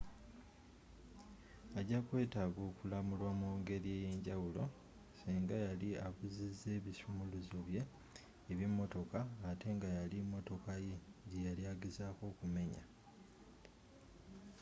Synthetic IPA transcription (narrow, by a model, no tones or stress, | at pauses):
aɟakwe̞ːtaɡo̞ːkulamulwamuːŋɡe̞ɾje̞ːje̞ːɲɟawulo̞ | siːŋɡajaliaβuzizːe̞ːβisumuluzoβje̞ː | βjimːo̞to̞kaːte̞ŋɡajalimːo̞to̞kaje̞ɟejaljaːɡezaːko̞ːkume̞ɲa̰